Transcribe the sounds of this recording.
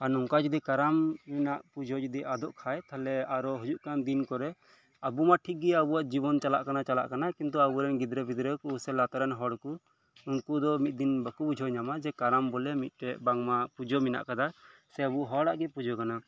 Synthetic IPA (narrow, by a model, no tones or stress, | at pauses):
anuŋkad͡ʒud̪ikaɾamːinaʔpud͡ʒʱɔd͡ʒud̪iʔad̪ɔʔkʰajt̪ʰalɛaɾɔɦud͡ʒuʔkand̪inkɔɾɛ | abumaʈʰik̚ɡɛabuwaʔd͡ʒibɔnt͡ʃala̰ʔkanat͡ʃala̰ʔkanakint̪̬uabuɾɛnɡid̪ɾɛbid̪ɾɛkusɛlat̪aɾɛnɦɔɽku | unkud̪ɔmit̪̚d̪inbakubud͡ʒʱɔɲamad͡ʒɛkaɾambɔlɛmit̪̚ˀʈɛʔbaŋmapud͡ʒʱɔmina̰ʔkad̪asɛabuɦɔɽaʔɡɛpud͡ʒʱɔkana